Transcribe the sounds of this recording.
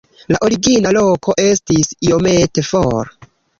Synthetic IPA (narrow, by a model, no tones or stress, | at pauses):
laʔo̞ɾiɡinalo̞kʰo̞ʔe̞stisio̞me̞te̞foɾ